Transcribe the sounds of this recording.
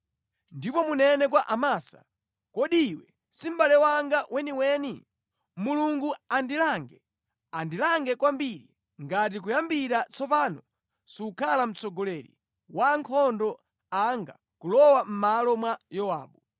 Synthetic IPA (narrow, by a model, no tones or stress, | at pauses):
ndipɔmunɛnɛk̬waʔamaːsḁ̰ | kɔɗiwɛ | sim̩balɛwaŋɡawɛniwɛni | muluŋɡuandilaŋɡɛ | andilaŋɡɛkwambiɾi | ŋɡat̬ik̬ujambiɾat͡sɔpanɔ | siukʰalam̩t͡sɔɡɔlɛɾḭ | waŋkʰɔndɔ | aŋɡa̰ | kulɔwam̩malɔmwajɔwa̰ːɓu